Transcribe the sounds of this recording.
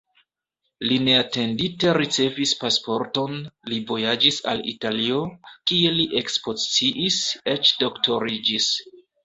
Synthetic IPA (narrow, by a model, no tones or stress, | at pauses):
line̞ate̞ndite̞ɾit͡se̞vispaspo̞ɾto̞nlivo̞jad͡ʒisa̰lḭtalio̞kie̞liʔe̞kspo̞zit͡siʔise̞t͡ʃdo̞kto̞ɾid͡ʒis